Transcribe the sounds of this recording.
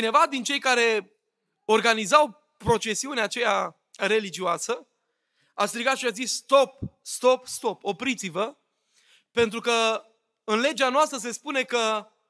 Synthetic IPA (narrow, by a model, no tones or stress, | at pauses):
t͡ʃine̞vad̪int͡ʃe̞jkaɾe̞ | o̞rɡanizaw | pɾo̞t͡ʃe̞siuneat͡ʃe̞ja | ɾe̞lid͡ʒiuasə | ast̪ɾiɡat̪ʃiazisːt̪o̞p̚st̪o̞pst̪o̞po̞pɾit̪sivə | pent̪ɾukə | ɨnle̞d͡ʒeanoast̪ɾəs̬e̞spune̞kə